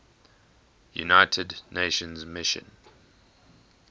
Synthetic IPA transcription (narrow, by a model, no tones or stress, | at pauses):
jṵnaɪtʰədneɪʃə̃nzmɪʃə̰̃n